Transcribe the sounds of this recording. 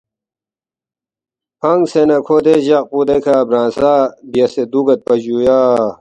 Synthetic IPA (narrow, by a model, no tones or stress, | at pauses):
pɐŋɡsenɐkʰoːd̪eʑɐq̚pud̪ekʰaːbɾãːnsaːbijɐsed̪uɡɐt̪̚pɐd͡ʑujaː